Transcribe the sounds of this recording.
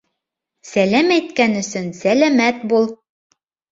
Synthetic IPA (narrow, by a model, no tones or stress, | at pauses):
sælæmæjt̪kænɵ̆sɵnsælæmæt̪̚bulˠ